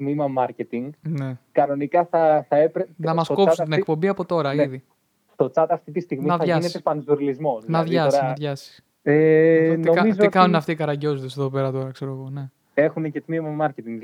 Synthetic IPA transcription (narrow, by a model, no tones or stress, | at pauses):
t̪mimɐmɐɾcet̪iŋɡne̞kɐno̞nikɐθɐθɐepɾenɐmɐskoput̪inekpo̞mbiɐpo̞t̪o̞ɾɐiði | st̪o̞t͡sɐt̪ɐft̪it̪ist̪iɣmminɐðʝɐnet̪epɐnzuɾlizmo̞nnɐðʝɐsoɾisɐnɐðʝɐsi̥s | enokɐmizokɐnunɐft̪ikɐɾɐɟo̞zod̪eseðo̞pe̞ɾɐt̪o̞ɾɐkse̞ɾoeɣo̞ne̞ | e̞xunecet̪mimɐmɐɾcet̪iŋɡ